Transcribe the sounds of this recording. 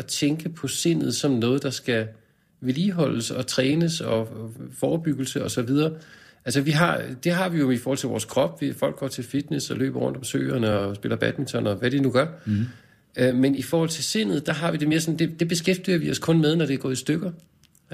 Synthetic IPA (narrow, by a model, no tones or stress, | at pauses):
ɒ̽t͡sʰeŋɡ̥əpʰɒ̽se̝n̰ð̞̩ˠsɒ̽mnɔ̽ːð̞̩ˠd̥ɑ̈sɡ̥æ | ʋliːɦɒ̽l̰əsɒ̽t͡sʰʁɛːnəsɒ̽fɒːb̥yɡ̥l̩səɒ̽sɒ̽ʋið̞ˠɐːʔælsəʋiɦɑ̈d̥e̝ɦɑ̈ʋijo̝ifɔːhɒ̽l̰t͡sʰe̝ʋɒ̰ːskʰʁɒ̽b̥ʋifɒ̽l̰ɡ̥ɡ̥ɒ̰ːt͡sʰe̝lfid̥nesɒ̽lø̰ːb̥ɐʁɔ̽n̰d̥ɒ̽msø̰ːɐnəɒsb̥e̝lɐb̥æd̥mint͡sʰɒnɒʋæɾ̥enuɡ̥ɶɐ | ømenifɒːhɒ̽l̰t͡sʰe̝se̝n̰ð̞̩ˠd̥ɑ̈ɦɑ̈ʋid̥e̝me̝ːɐsɒ̽nd̥e̝d̥e̝b̥e̝sɡ̥efd̥iɐʋiɒ̽skʰɔ̽nmeð̞ˠnɒɾ̥e̝ɡ̥ɒ̰ːisd̥øɡ̥ɐ